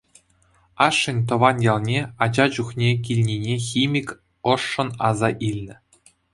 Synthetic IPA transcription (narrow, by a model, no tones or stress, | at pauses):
ɑʂːɘ̆nʲt̪ɤ̆ʋɑnjɑlˠnʲeɑd͡ʑɑd͡ʑuχnʲek̬ʲilʲnʲinʲexʲimʲikʲ | ɤ̆ʂːɤ̆nɑzɑʔilʲnʲɘ̆